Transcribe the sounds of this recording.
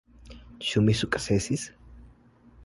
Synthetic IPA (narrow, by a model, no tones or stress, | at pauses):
ʃumisukʼsesis